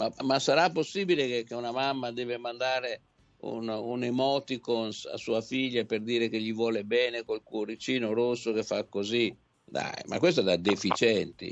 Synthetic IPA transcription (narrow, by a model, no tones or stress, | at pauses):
mamasaɾapːosːiːbilekekeunamamːad̪ɛːvemand̪aːɾe | ṵnunemɔt̪ikonsa̰suːafiʎːaperd̪iːɾek̟eʎːivwɔːlebɛːnekolkwoɾit͡ʃiːnoɾosːokefːakːozi | d̪a̰jma̰kːwes̬t̪od̪ad̪efit͡ʃɛnt̪ḭ